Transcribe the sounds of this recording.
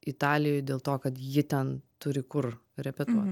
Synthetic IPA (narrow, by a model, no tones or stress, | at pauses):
ɪt̪ɑːlʲɪjoːjd̪ʲeːlˠt̪oːkɐt̪jɪt̪ʲɛnt̪ʊɾʲɪkʊrɾʲɛpʲɛt̪uɔt̪ʲ